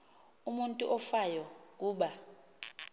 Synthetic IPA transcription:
umuntʼuʔɔfajɔk̬ʼuːɓa

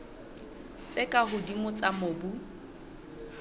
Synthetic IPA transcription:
t͡sʼɛkʼaɦʊdimʊt͡sʼamoːbu

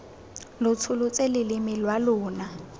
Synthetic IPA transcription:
lʊt͡sʰʊlʊt͡sʼelɪlɪmɪlwalʊːna

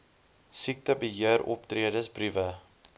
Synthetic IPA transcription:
sik̚təbəɦiəɾʔɔ̰ptriədəsbrivə

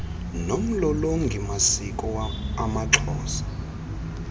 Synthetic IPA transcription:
nom̩lɔloŋɡʱimasikʼɔwaamaǁʰɔːsḁ

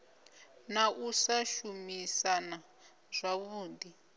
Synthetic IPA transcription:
naʔusaʃumisana | z̥ʷaβuːndi

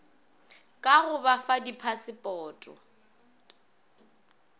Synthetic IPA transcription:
kʼaɣʊbafadipʰasɪpʼɔːtʼɔ̰

